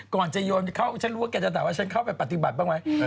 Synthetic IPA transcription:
kɔː˨˩˨t͡ɕa˨˩jɔː˧nkʰa˥˩wt͡ɕʰa˦˥nɾu˦˥a˧˦kɛ˧˩t͡ɕa˧˨t̪ʰaː˨˦waː˥˩t͡ɕʰa˦˥nkʰa˥˩wpa˧jpa˨˩t̪t̪i˨ba˨˩t̪̚baː˥˩ŋma˦˥j

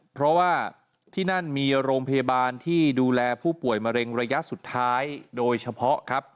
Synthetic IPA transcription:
pʰɾɔ˦˥waː˥˩ | t̪ʰiː˥˩na˥˩nmiː˧ɾoː˧ŋpʰa˧jaː˧baː˧nt̪ʰiː˥˩duː˧lɛː˧pʰuː˥˩pu˨˩əjma˧ɾe˧ŋɾa˧ja˦˥ʔsu˨˩t̪ʰːaː˦˥jdoː˧jt͡ɕʰa˧pʰɔ˦˥kʰa˦˥p̚

